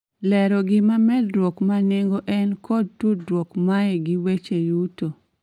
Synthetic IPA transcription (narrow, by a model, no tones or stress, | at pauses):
lɛɾɔɡɪmamɛdɾwɔkmaneŋɡoʔɛnkʰɔd̚tudɾwɔkmaeɡiwet͡ʃejuto